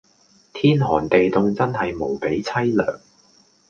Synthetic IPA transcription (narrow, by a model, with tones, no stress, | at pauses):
t̪ʰiː˥nɦɔː˨˩nt̪e˨jt̪ʊ˨˧ŋt͡sɐ˥nɦɐ˨jmo˨˩wpe˨˥jt͡sʰɐ˥jlœː˨˩ŋ